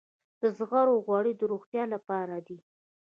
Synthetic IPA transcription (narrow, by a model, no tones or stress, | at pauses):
d̪̥əzɣaɾoɣwɑɽid̪əɾoɣt̪jɑlapɑɾad̪i